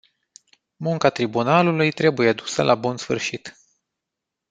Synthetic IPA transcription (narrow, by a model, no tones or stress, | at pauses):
muŋkat̪ɾibunalulujt̪ɾe̞bujead̪usəlʔabunsfɨ̰rʃit̪